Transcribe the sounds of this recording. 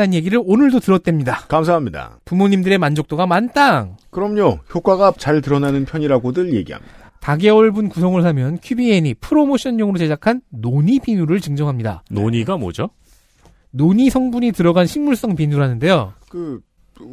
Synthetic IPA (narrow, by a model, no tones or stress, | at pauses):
anje̞ɡiɾɯɾonɯɭdotɯɾʌt̚t͈wemɲidakamsʰaɦamɲida̰pumoɲimdɯɾe̞mand͡ʑok̚t͈oɡamant͈aŋkɯɾʌmɲoçjok͈waɡat͡ɕaɭtɯɾʌnanɯnpʰjʌɲiɾaɡodɯɭje̞̰ɡiɦa̰mɲid̥ataɡe̞ʌɭbunkusʰʌŋɯɭs̬ʰamjʌnkʰjubieɲipʰɯɾomoɕʰʌnːʌŋɯɾoɕed͡ʑakʰanːoɲipinuɾɯɭt͡ɕɯŋd͡ʑʌŋɦamɲida̰no̰ɲiɡamwʌ̰d͡ʑo | noɲisʰʌŋbuɲitɯɾʌɡanɕʰiŋmuɭs͈ʌŋpinuɾanɯnde̞jokɯ